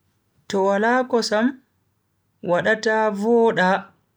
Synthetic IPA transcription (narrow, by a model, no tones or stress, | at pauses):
tɔwalaːkɔsam | waɗataːvɔːɗa